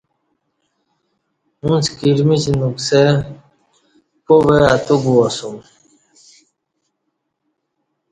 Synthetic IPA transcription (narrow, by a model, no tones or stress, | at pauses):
ũnt͡skiɾmit͡ɕinukse | poβeat̪uɡuasum